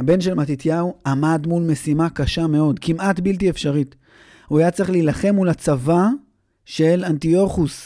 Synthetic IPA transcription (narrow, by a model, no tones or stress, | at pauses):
habe̞nʃe̞lmat̪it̪jauamad̪mulme̞simakaʃame̞o̞d̪kimat̪bilt̪̬iefʃaʁit | uajat͡sʁiχleilaχe̞mːulat͡sava | ʃelantio̞χus